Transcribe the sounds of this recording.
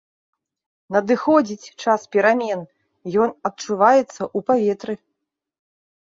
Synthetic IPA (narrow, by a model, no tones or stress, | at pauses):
nɐd̪ɨxɔd͡zʲit͡sʲt͡ʂaspʲɛɾamʲɛn | jɔnɐt̪̚t͡ʂuvajɛt̪sːɐʔupavʲɛt̪ɾɨ